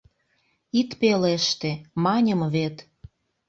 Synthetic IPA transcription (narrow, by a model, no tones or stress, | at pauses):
it̪peleʃt̪emɑnʲə̆mβet̪